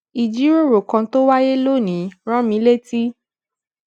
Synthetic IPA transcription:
i˨d͡ʒi˨˦ɾo˦˨ɾo˨kã˧to˦wa˦je˦lo˦˨nĩ˨˦ɾ̃ɔ̃˦mĩ˨˦le˦˨ti˦

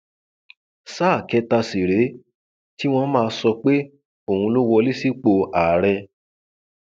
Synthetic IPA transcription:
saː˦˨kɛ˧ta˧si˨ɾe˨˦ | ti˦w̃ɔ̃˧mãː˦˧sɔ˧k͡pe˦ | o˨hũ˧lo˦wɔ˧li˦si˦k͡po˧a˨ɾɛ˧

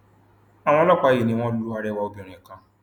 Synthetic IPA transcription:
a˨w̃ɔ̃˦lɔ˦kʷa˨˦je˨nĩ˨˦ŋ̃ʷɔ̃˦du˦u˦a˦ɾe˦wa˦o˦bo˨ɾ̃ʷe˨kã˦

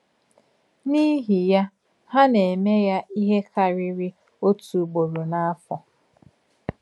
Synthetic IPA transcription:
ni˦ɦi˨ja˦ | ha˦ne˨e˨me˦ja˦i˦ɦe˦kʰa˨ɾɪ˦ɾɪ˦ | o˦tu˨ɡ͡bo˨ɾu˨na˦a˦fɔ˨

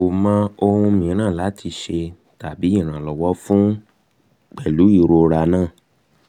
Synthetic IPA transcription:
o˨mã˦o˧hũ˧mĩ˨˦ɾ̃ã˦˨la˨˦tʰi˧ʃe˧ | ta˨bi˨˦i˦˨ɾ̃ã˨lɔ˨wɔ˨˦fũ˦ | k͡pɛ˨lu˨˦i˦˨ɾo˧ɾa˧nãː˦˨

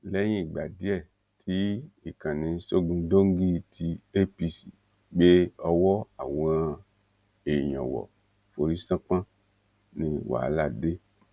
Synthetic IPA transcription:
lɛ˦ɲĩ˦˨ɡ͡ba˨di˦ɛ˦˨ | tʰi˨˦i˨kã˨nĩ˨˧˦so˦ɡũ˧˦do˦ŋ̩˦ɡi˦˧tʰi˧e˦pi˧sḭ˨ | ɡ͡be˦ɔ˧wɔ˦a̰˨wɔ̃˨˦a˧ | e˨ɲɔ̰̃˨wɔ̰˨ | fo˨ɾi˦sã˦k͡pã˦ | nĩ˧wa̰˨˦la˦˨de˦

